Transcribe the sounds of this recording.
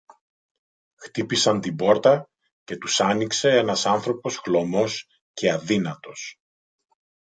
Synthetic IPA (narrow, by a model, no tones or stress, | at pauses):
xt̪ipisɐnt̪ibo̞ɾt̪ɐ | ce̞t̪usɐnikse̞e̞nɐsɐnθɾo̞po̞sɣlo̞mo̞s | ce̞ɐðinɐt̪o̞s